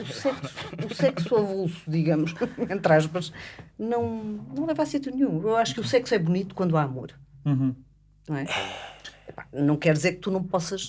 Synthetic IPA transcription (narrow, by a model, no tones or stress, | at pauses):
usɛkssu̥usɛksuɐβulˠsu̥ðiɣɐmuʃẽnt̪ɾaʒβɐʃnɐ̃w̃nɐ̃w̃lˠɛvasit̪junɲũewaʃu̥kusɛksuɛβunit̪u̥kwɐ̃nd̪aɐmoɾn | ñw̃ɛ | pḁnɐ̃w̃kɛɾðizeɾk̚t̪unɐ̃w̃pɔsɐʃ